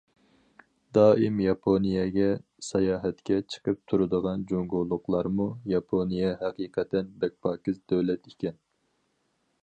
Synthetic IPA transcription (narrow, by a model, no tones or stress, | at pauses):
d̪ɑːimjɑpʰonijɛɡʲɛ | sɑjɑːɦɛt̪kʲɛt͡ʃʰə̥qʰəp̚t̪ʰuɾɨd̪əʁɑnd͡ʒoŋɡulˠːʊqlˠɑɾmujɑpʰonijɛɦæqiːqʰɛt̪ːɛnbɛk̚ʲpʰɑːkʲizd̪øwlɛt̪ikʲɛn